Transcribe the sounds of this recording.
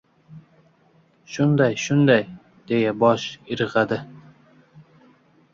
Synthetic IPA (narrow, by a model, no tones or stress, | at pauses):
ʃʊnd̪ajʃʊnd̪aj | d̪̥e̞jabɒʃɪɾɨʁad̪ɪ